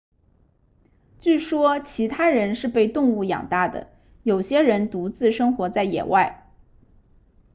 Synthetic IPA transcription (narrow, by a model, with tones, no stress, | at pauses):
t͡ɕy˥˩ʂwɔ˥t͡ɕʰi˧˥t̪ʰa˥ɻə˧˥nʂɻ̩˥˧pe˥˧ɪt̪ʊ˥˧ŋu˥˩jɑ̰˨˩ŋt̪a˥˩d̪ə̰˩ | jo˨˩ʊɕjɛ˥ɻə˧˥nt̪u˧˥t͡sɹ̩˥˩ʂɤ˥ŋxwɔ˧˥t͡sa˥˩ɪjɛ̰˨˩wa˥˩ɪ